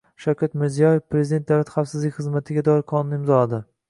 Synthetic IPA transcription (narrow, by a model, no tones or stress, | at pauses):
ʃakʲʰat̪mɪɾzijɒjefpʰɾezid̪e̞nt̪d̪awlat̪χafsɪzlɪkʲχɨzmat̪ʰɪɡʲad̪ɒɪɾqʰɒnʊnɪɪmzɒlad̪ɪ